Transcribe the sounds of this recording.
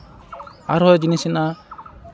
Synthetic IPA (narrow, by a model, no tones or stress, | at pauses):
aɾɔd͡ʒinisɛna